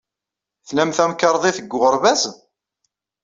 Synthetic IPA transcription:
θnæmθæmkəɾˤðˤiθəɡːʊʁəɾvæz

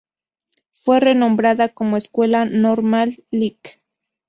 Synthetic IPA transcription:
fwerenõmbɾaðakomoeskwelanoɾmalːik

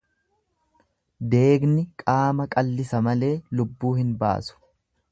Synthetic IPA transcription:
d̪e̞ːɡnɪkʼaːmɐkʼɐlːɪsɐmɐle̞ːlʊbːuːhɪnba̰ːsʊ̥

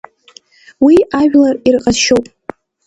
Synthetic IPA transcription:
wiʔaʒᶣlarirqʼaʃowpʼ

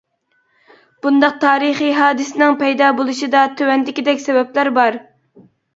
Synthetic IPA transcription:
b̥und̪ɑq̚t̪ʰɑːɾɨχiɦɑːd̪ɨsɪnɪŋpɛjd̪ɑbolˠuʃid̪ɑt̪ʰøwɛnd̪ɪkʲid̪ɛkʲsɛwɛplæɾbɑɾ

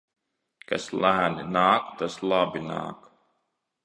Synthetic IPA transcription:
ka̰slˠæːninaːkt̪aslˠabina̰ːk

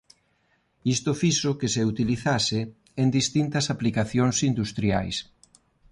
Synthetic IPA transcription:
ist̪ʊfiʃʊkɪseut̪iliθasɪ | end̪ist̪int̪ɐsaplikaθjoŋsind̪ust̪ɾja̰js

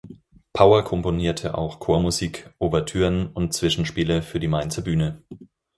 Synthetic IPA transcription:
pʰaʊɐkʰɔmponiːɐtʰə̰ʔa̰ʊxkʰoːɐmuziːkʔobɛɐtʰyːʁənʊnt̚t͡sv̥ɪʃn̩ʃpiːləfyːɐdiːmaɪnt͡sɐbyːnə

